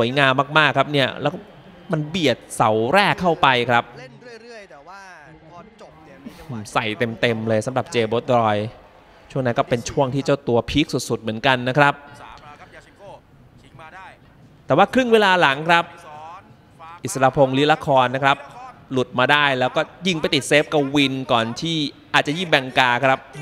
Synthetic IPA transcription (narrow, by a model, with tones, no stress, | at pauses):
su˨˩˦əjŋaː˧mːaː˥˩k̚maː˥˩kʰɾa˦˥p̚ni˥˩ɐlɛː˦˥wk | ma˧nbi˨˩ət̪̚sa˩˦wɾɛː˥˩kʰːa˥˩wpa˧jkʰɾa˦˥p̚ | sa˨˩jt̪e˧mt̪e˧mlɤː˧jsa˩˦mɾa˨˩p̚t͡ɕeː˧boː˦˥t̪̚ɾɔː˧j | t͡ɕʰu˥˩ŋna˦˥nkɔː˥˩pe˧nt͡ɕʰu˥˩əŋt̪ʰiː˥˩t͡ɕa˥˩wt̪u˧ɐpʰiː˦˥k̚su˨˩t̪̚su˨˩t̪̚mɯ˩˦ənka˧nːa˦˥kʰɾa˦˥p̚ | t̪ɛː˨˩waː˥˩kʰɾɯ˥˩ŋweː˧laː˧la˩˦ŋkʰɾa˦˥p̚ | ʔi˨˩t̪̚sa˧aː˧pʰo˧ŋli˦˥la˧˥kʰɔː˧nːa˦˥kʰɾa˦˥p̚lu˨˩t̪̚maː˧daː˥˩jlɛː˦˥wkɔː˥˩ji˧ŋpa˧jt̪i˨˩t̪̚se˦˥p̚ka˧wwi˧nkɔː˨˩nt̪ʰiː˥˩ʔaː˨˩t̪̚t͡ɕa˨jiː˥˩ŋbɛ˧ŋkaː˧kʰɾa˦˥p̚